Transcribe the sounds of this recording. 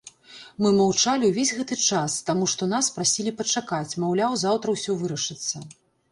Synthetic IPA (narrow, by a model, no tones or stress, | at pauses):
mɨmawt͡ʂalʲiwvʲezʲɣɛt̪ɨt͡ʂast̪amuʂt̪ɔn̪aspɾasʲilʲipɐt͡ʂakat͡sʲmawlʲawzawt̪ɾɐwsʲɔvɨɾɐʂɨt̪sːɐ